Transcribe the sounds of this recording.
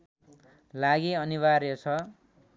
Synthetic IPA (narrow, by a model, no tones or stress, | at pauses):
laɡiʌnibarjot͡sʰʌ